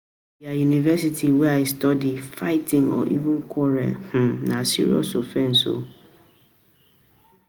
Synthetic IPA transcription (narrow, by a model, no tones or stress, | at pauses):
iajunivɛsitʰiwɛaestɔdifaɪtʰĩŋɔ̰ʔḭvũnkʰɔɾɛ̰h̩nãsḭɹḭɔ̰sofɛ̃n̩so̰